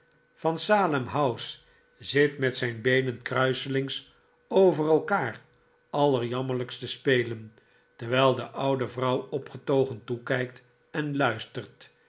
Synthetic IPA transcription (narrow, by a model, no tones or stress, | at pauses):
fɑnsaːləmɦʌws | z̥ɪtmɛtsɛjnbejnənkrœɥsəlɪŋs | owvərɛlˠkaːr | ɑlˠəɹjɑmələkstəspejlən | təɹʋɛjlˠdəʔʌwdəvrʌwɔpχətowχəntukɛjk̚t | ɛnlœɥstərt